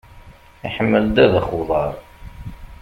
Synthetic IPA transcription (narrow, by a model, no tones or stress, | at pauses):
iħəmːəld̪æðəχʊðˤɑɾˤ